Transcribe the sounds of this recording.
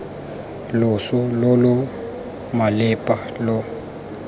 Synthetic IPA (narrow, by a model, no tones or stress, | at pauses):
lʊsʊlolʊ | malɪpʼalɔ